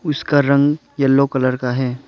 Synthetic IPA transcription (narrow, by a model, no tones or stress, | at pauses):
ʊskaɾɐ̃ŋɡ | jɐlːokɐləɾkaɦɛː